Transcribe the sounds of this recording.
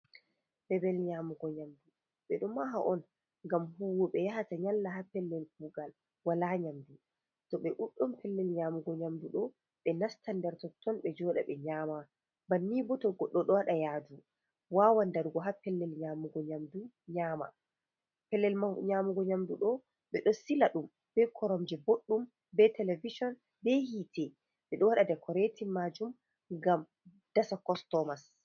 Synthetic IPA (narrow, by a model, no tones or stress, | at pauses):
bɛbɛlɲamuɡɔɲamdu | ɓɛɗumaɦaʔɔn | ŋɡamhuwɔɓɛjahataɲalːaɦapɛlːɛlkuɡal | walaɲamdu | tɔɓɛʔuɗːɔmpʰɛlːɛlɲaːmuɡɔɲamduɗɔ | ɓɛnastandɛɾtɔtʰːɔnɓɛd͡ʒɔɗa̰ɓɛɲaːma | banːibɔtɔɡɔɗːɔɗɔaɗajaːdu | waːwandaɾɡɔɦapɛlːɛlɲaːmuɡɔɲamdu | ɲaːma̰ | pɛlːɛlmɲamuɡɔɲamduɗɔ | ɓɛɗɔsilaɗum | bɛkʰɔɾɔmd͡ʒɛboɗːum | bɛtɛleviʃɔn | bɛhitɛ | ɓɛɗɔwaɗadɛkʰɔɾɛtimːad͡ʒum | ŋɡam | d̥asakɔstɔmas